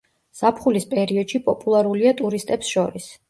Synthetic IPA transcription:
z̥apʰχulispʼɛɾiɔd̪̥ʃipʼɔpʼulˠaɾuliat̪ʼuɾist̪ʼɛpsʃɔɾis

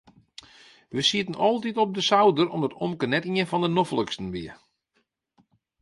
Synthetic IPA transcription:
ʋəsiətənɔlˠtitɔp̚dəsawdərɔ̰mdɔtɔmkənɛtiənfɔndənofəlˠəkstən̩ʋiə

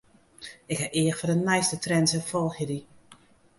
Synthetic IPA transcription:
ɪkhɛʔɪəxfɔdənːɛjstətrɛnsəfɔlˠxədi

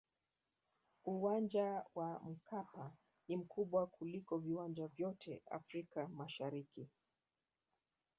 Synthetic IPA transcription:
uwand͡ʒawʔam̩kapa | nim̩kʰuɓwakulikɔviwand͡ʒavjɔtʰɛ̰a̰fɾikamaʃaɾiki

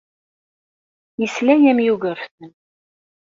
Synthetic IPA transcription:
jəslæjæmjuʝəɾfθən

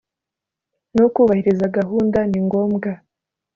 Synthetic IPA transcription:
nukuːβahiɾizaɡaɦuːndaniŋɡo̞ːmɡa

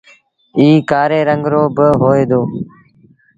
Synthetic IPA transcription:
iːkaːɾeːɾəŋɡɾoːbəɦoːeːd̪oː

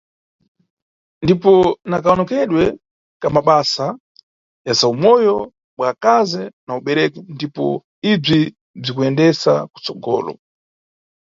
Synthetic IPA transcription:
ndipɔnakaɔnɔkɛɗwɛ | kamaɓasa | jasaumɔjɔ | ɓwakazɛnauɓɛɾɛkundipɔ̰ | ib͡ʐi | b͡ʐikuɛndɛsaku̥t͡sɔɡɔ̰ːlɔ̰

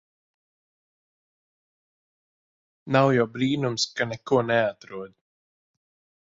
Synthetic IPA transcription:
nawjawbɾiːnumskanɛkuɔnɛat̪ɾuɔd̪

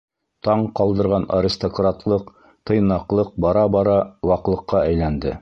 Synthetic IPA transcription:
t̪ɑɴqɑlˠd̪ɤ̆ɾʁɑnɐɾʲist̪okrat̪lˠɤq | t̪ɤ̆jnɑqlˠɤq̚bɑɾɑbɑɾɑwɑqlˠɤ̆qːɑæjlænd̪ɘ

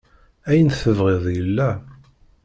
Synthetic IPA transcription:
æjənθəvʁeðˤjəlːæ

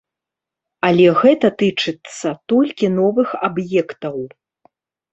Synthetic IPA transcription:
ɐlʲɛɣɛt̪ɐt̪ɨt͡ʂɨt̪sːɐt̪ɔlʲkʲinɔvɨxabjɛkt̪ɐw

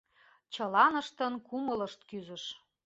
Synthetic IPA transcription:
t͡ɕɤlɑnə̆ʃt̪ə̆nkumələ̆ʃt̪kyzə̆ʃ

